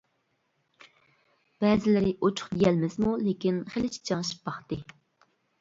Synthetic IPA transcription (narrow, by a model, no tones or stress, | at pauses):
b̥ɛzɪlɪɾɪʔot͡ʃʰʊ̥χd̪ijɛlmɪzmulekʲinχelɪt͡ʃʰi̥d͡ʒʰɑŋʃb̥ɑχt̪ɨ